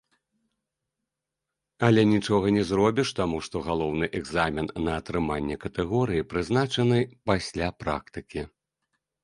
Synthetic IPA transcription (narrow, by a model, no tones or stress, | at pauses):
ɐlʲɛnʲit͡ʂɔɣɐnʲɛzrɔbʲiʂt̪amuʂt̪ɔɣalˠɔwnɨʔɛɡzamʲinːɐːt̪ɾɨmanʲːɛkɐt̪ɛɣɔɾɨjipɾɨznat͡ʂɐn̪ɨpasʲlʲapɾa̰kt̪ɨkʲi